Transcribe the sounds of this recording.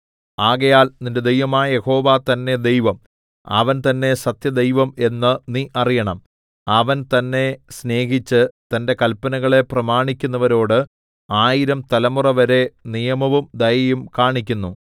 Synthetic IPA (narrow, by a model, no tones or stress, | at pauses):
aːɣɐjaːlninded̪e̞jʋɐmaːjɐje̞ho̞ːʋaːt̪ɐnːe̞d̪e̞jʋɐm | ɐ̰ʋɐnt̪ɐnːe̞sɐt̪jɐd̪e̞jʋɐme̞nːɨniʔɐrijɐɳɐm | ɐʋɐnt̪ɐnːe̞sne̞ːɦit͡ɕːɨt̪ɐnde̞kɐlpɐnɐɣɐɭe̞prɐmaːɳikʲːunːɐʋɐɾo̞ːɽɨ | aːjiɾɐmt̪ɐlɐmurɐʋɐɾe̞nijɐmɐʋumd̪ɐjɐjumkaːɳikʲːunːu